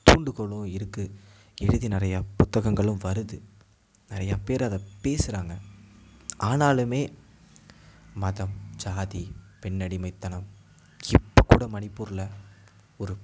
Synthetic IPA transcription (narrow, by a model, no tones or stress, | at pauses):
t̪uːɳɖɯɣɔɭːɯ̃ɪɾɯkːɯ | ɛɻɯðinɪɾɐjɐpʊt̪ːɐɣɐŋɡɐɭɯmʋɐɾɯðɯ | nɪɾɐjapeːɾɐðɐpeːsɯɾaːŋɡɐ | aːnaːlɯmeː | mɐðɐmd͡ʒaːðipɛɳːɐɽimɐɪt̪ːɐnɐm | ɪpːɐkːuːɽɐmɐnɪpːuːɾɯlɐ | ɔɾɯ